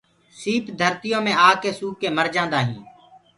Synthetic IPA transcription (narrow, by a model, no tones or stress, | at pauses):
siːpd̪ʱəɾt̪ɪjõːmẽːaːkeːsuːkːeːməɾd͡ʒãːnd̪aːɦḭ̃ː